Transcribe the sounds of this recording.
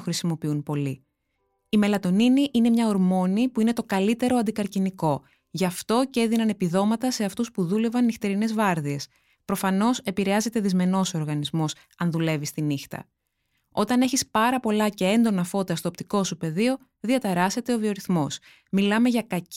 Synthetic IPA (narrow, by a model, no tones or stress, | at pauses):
xɾisimo̞piunpo̞li | ime̞lɐt̪o̞niniʔine̞mɲɐoɾmo̞nipuine̞t̪o̞kɐlit̪e̞ɾo̞ɐnd̪ikɐɾciniko̞ | ʝɐft̪o̞ce̞ðinɐne̞piðo̞mɐt̪ɐse̞ɐft̪uspuðule̞vɐnːixt̪e̞ɾine̞zvɐɾðie̞s | pɾo̞fɐno̞se̞piɾe̞ɐze̞t̪e̞ðizme̞no̞so̞ɾɣɐnizmo̞s | ɐnðule̞vist̪inixt̪ɐ̰ | o̞t̪ɐne̞çispɐɾɐpo̞lɐce̞e̞nd̪o̞nɐfo̞t̪ɐst̪oopt̪iko̞supe̞ðio̞ | ðiɐt̪eɾɐse̞t̪e̞o̞vio̞ɾiθmo̞s | milɐme̞ʝɐkɐc